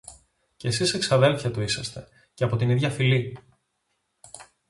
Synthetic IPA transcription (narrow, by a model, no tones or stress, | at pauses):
cesise̞ksɐðe̞lθçɐt̪uisɐst̪e̞ | ceɐpo̞t̪iniðʝɐfili